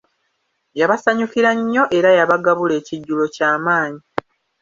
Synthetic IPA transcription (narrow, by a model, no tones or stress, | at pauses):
jaβasaɲukiɾaɲːo̞ʔe̞ɾajaβaɡaβule̞ːciɟːulo̞caːmaːɲi